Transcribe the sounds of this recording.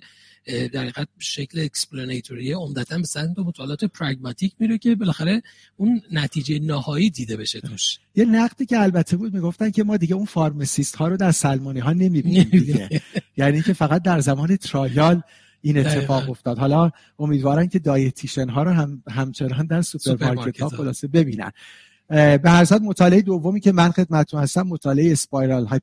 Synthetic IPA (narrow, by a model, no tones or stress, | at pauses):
d̪æɾːɣæd̪̚ʃecʰleːksplonejt̪ʰoɾieomd̪æt̪ʰænbesæmt̪omot̪ʰɒːleɒːt̪ʰepʰɾæɡmɑt̪ʰiːcʰmiɾecʰe̞belæxæɾe̞ | unːæt̪ʰiːd͡ʒejenɒːhɒːiːd̪iːd̪e̞be̞ʃet̪ʰuʃjenæɣd̪iːcʰe̞ælbæt̪ʰːe̞buːd̪̚miːɡo̞ft̪æncʰe̞mɒːd̪iɟeunfɒːɾmesist̪hɒːɾod̪æɾsælmoːniɦɒːne̞mibiniːmiɡejæːniːŋcʰe̞fæɣæt̪̚d̪æɾzæmɒːnet̪ʰɾɒːjɒl | iːnett̪ːe̞fɒːɣo̞ft̪ɒːd̪ɦɒːlɒː | omiːd̪vɒːɾæmcʰe̞d̪ɒːjet̪ʰiʃenɦɒːɾoɦæɦæmt͡ʃʰe̞nɒːnd̪æɾsupʰeɾmɑɾʰet̪hɒːxo̞lɒːse̞be̞biːnæ̰n | be̞hæɾsæd̪mo̞t̪ʰɒːleeed̪ovːo̞miːcʰe̞mænxed̪̚mæt̪ʰet̪unhæst̪æmːo̞t̪ʰɒːleeespɒjɾɑlɦɒː